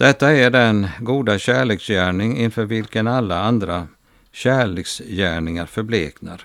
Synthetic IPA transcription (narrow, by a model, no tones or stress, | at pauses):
d̪̥ɛt̪ːaæɖɛnɡuːd̪aɕæːɭeːksjæːɳɪŋɪnfœːɾvɪlkənalːaand̪ɾa | ɕæːɭeːksjæːɳɪŋaɾfœɾblḛːknaɾ